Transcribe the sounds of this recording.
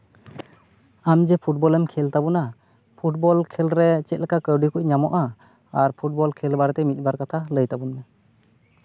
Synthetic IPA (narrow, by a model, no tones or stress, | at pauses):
amd͡ʒɛpʰuʈ̚bɔlɛmkʰɛlt̪abuna | pʰuʈ̚bɔlkʰɛlɾɛt͡ʃɛt̪̚lɛkakəɖikuc̚ɲamɔʔaː | ɾpʰuʈ̚bɔlkʰɛlbaɾɛt̪ɛmit̪̚ˀbaɾkat̪ʰaləjt̪abunmɛ